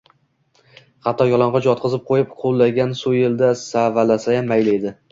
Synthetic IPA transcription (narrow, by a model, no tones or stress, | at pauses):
χɑt̪ʰːɒjɒlˠɒɴʁɑd͡ʒɒt̪̚qʰɨzɪp̚qʰojɪpqʰolˠːaɡʲansʊjeld̪asavalasajamːajlɪed̪ɪ